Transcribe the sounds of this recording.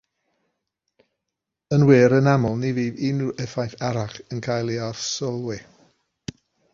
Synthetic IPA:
ənweːɾənamɔlˠniviːviːnuʔɛfajθaɾaχənkʰajlˠiarsɔlˠwɪ

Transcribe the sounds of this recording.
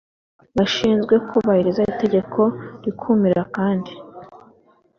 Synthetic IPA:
βaʃiːnzɡwe̞kʰo̞βahiɾizaite̞ɟe̞kʰo̞ɾikʰumiɾakaːndi

